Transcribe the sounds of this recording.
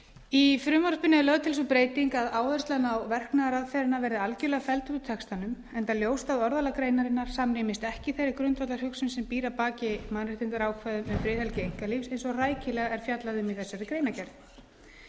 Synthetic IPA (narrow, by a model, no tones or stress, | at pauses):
ifɾʏmaɾspɪnːɪlœːðt̪ʰɪlsupɾeːjt̪iŋkaðaːwðɛst̪lanawvɛr̥knaɣaɾaðfɛɾɪnavɛɾðɪalcʏlɛɣafɛlt̪ʏɾt̪ʰɛkst̪anʏm | ɛnt̪aljoːwst̪aðɔɾðalakɾeːjnaɾɪnːaɾ̥samnɪːmɪst̪ɛhcɪθejɾɪkɾʏnt̪vat̪laɾhʏksʏmsɛmpiːɾapaːcɪmanɾrɪht̪ɪnt̪aɾaːwkʰvɛðʏmʏmfɾɪːðhɛlcɪejŋ̥kalifsejnsɔɣraːjcɪlɛːɣaɛɾ̥fjat̪laðʏmiθɛsːaɾɪkɾejnacɛɾð